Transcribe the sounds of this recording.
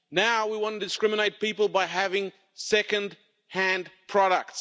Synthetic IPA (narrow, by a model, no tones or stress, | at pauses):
naʊwiwɑ̃nɨdɨskɹɪ̃mɨñeɪt̚pipəl̩ˠbaɪɦævɪ̃ŋ | sɛkɨ̃nd̚ | hæ̃ndpʰɹ̥ɑɾək̚ts